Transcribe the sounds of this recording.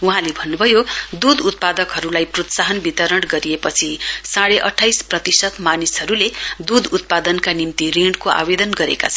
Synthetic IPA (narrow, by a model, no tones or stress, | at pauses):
uɦãlebʱʌnːubʱʌjod̪ud̪ut̪̚pad̪ʌkɦʌɾulajprot̪saɦʌnbit̪ʌɾʌɽɡʌɾijepʌt͡sʰisaɽeʔʌʈʰːajsprʌt̪isʌt̪manisɦʌɾuled̪ud̪ʱut̪̚pad̪ʌnkanimt̪ireɳɖkoʔa̰bed̪ʌnɡʌɾḛka̰t͡sʰʌn